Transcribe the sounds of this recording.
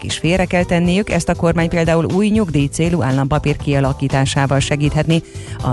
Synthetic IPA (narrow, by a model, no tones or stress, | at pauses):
kḭʃfeːrɛkɛlt̪ɛnːijykɛ̰st̪ɒko̞rmaːɲpeːld̪aːuluːjɲuɡd̪iːt̪seːluʔaːlːɒmpɒpiːrkiɒlɒkiːt̪aːʃaːvɒlʃɛɡiːt̪hɛt̪niɒ̰